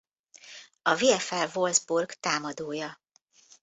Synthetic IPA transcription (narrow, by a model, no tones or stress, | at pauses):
ɒviɛfɛlvo̞ldzburɡt̪aːmɒd̪oːjɒ